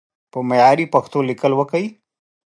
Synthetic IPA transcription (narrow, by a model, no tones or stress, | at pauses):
pomɐjaːɾiːpɐkʰt̪õlɪkəlʋɐkəi